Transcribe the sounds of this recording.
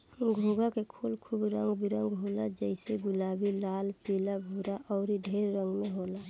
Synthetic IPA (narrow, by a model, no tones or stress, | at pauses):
ɡʱuɡakekʰulkʰubɾə̃ŋɡbiɾəŋɡɦolad͡ʒəɪseɡʊlaːbilaːlpilabʱuɾaʔɔːɾiɖʱeɾːə̃ŋɡmeɦoːla